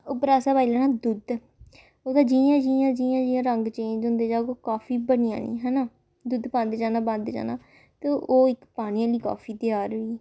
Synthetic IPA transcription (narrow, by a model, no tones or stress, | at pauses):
ʊpɾaːsaːbaːilɛːnãːd̪ʊd̪ | oːd̪aːd͡ʒijãːd͡ʒiːjãːd͡ʒijãːd͡ʒɪːãːɾəŋɡt͡ʃẽːd͡ʒõːnd̪eːd͡ʒaːɡoːkaːfiːbəɽɪjã̰ːnḭːɦɛːnaː | d̪ʊd̪pãːnd̪ed͡ʒaːnãːbə̃nd̪d͡ʒa̰ːna̰ː | t̪eʔoːɪkpaːñɪjãːliːka̰ːfʰiːt̪ɪjaːɾɦoiː